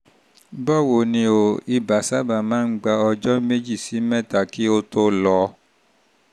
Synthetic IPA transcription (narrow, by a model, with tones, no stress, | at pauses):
bɔ˦˨wo˨nĩ˧o˨i˧ba˨sa˦ba˦˨mãː˦n̩˦ɡ͡ba˧ɔ˧d͡ʒɔ˦me˦d͡ʒi˦˨si˨˦mɛ̃˦˨ta˨ki˦o˦to˦lɔ˧˦